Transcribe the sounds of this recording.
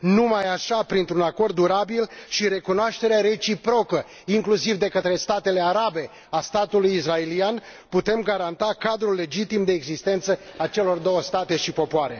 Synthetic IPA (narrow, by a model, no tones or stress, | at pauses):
numajaʃapɾint̪ɾunako̞rd̪ːuɾabilʃiɾe̞kunoaʃt̪e̞ɾeaɾe̞t͡ʃipɾo̞kə | iŋklusivd̪e̞kət̪ɾe̞st̪at̪e̞le̞aɾabe̞ | ast̪at̪ulujisrae̞lian | put̪e̞mɡaɾant̪akad̪ɾulːe̞d͡ʒit̪imd̪e̞ːɡzist̪e̞nt̪səat͡ʃe̞lo̞rd̪o̞wəst̪at̪e̞ʃipo̞poaɾe̞